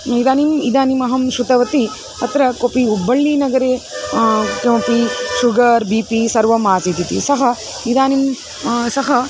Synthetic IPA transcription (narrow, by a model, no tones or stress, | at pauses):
id̪aːnimid̪aːnimɐɦɐmʃut̪ɐʋɐt̪i | ɐt̪ɾɐkopiubːɐɭːinɐɡɐɾeː | kempiʃuɡɐɾbiːpisɐɾʋɐmaːt͡ʃit̪it̪ḭsɐɦɐ | id̪aːnim | sɐɦɐ